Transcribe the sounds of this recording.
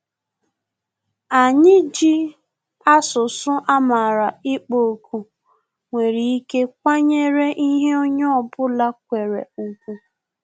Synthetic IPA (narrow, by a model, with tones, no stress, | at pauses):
a˨ɲɪ˦d͡ʒi˦ | a˦sʊ˨sʊ˦ʔa˦ma˨ɾa˨ɪ˦k͡po˨ku˨ | ŋʷe˨ɾi˨i˦ke˦k̚ʷa˦ɲe˦ɾe˦ʔi˦ɦe˦o˦ɲɔ˦ɔ˨bʊ˦la˦k̚ʷe˨ɾḛ˨ŋ̩˨kʷu˦